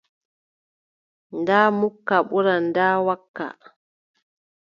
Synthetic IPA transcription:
ndaːmukːaɓuɾandaːwakːa̰

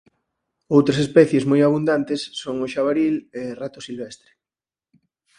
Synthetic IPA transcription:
owt̪ɾasespɛθjezmojaβ̞und̪ant̪esːoŋʊʃaβaɾilerat̪ʊsilβɛst̪ɾe̥

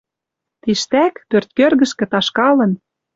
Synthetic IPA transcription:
t̪iʃt̪ækpørt̪̚kørɣə̆ʃkĕt̪ɑʃkɑlɤ̆n

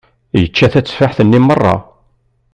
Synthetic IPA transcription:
jət͡ʃːæθæt͡sːfaħθənːimərˤːɑ̰

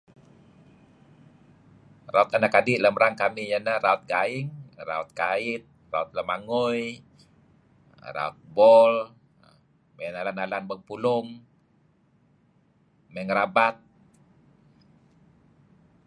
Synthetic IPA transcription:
raʊt̪anakadiʔləmɾaŋkamijanaraut̪̚ɡaɪŋra̰ut̪̚kaɪt̪̚raut̪̚ləmaŋuj | ra̰ʊ̰t̪̚bɔl | mɛnalanalanbəŋpulʊŋ | mɛŋɾabat̪̚

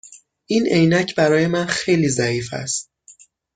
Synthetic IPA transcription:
ʔine̞jnæcʰbæɾɒːje̞mænxe̞jliːzæiːfæ̰st̪̚

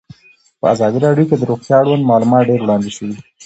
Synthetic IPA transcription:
pəazɑd̪iɾɑɖjoked̪əɾoɣt̪jɑaɽwand̪mɑlumɑt̪ɖeɾwɽɑnd̪eʃəwi

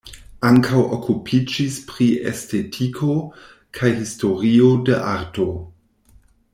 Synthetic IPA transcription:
aŋkʰawʔokʰupʰid͡ʒispɾiḛstʰetʰikʰo̞ | kʰajɦisto̞ɾiodeʔaɾto̞

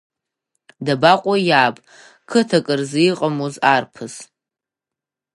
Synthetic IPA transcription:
dabaqʷʼojaːpʼ | kʰɨtʰakʼɨrzijiqʼamozarpʰɨz

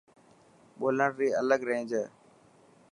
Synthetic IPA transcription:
ɓoːləɽɾiːələɡɾẽːd͡ʒəː

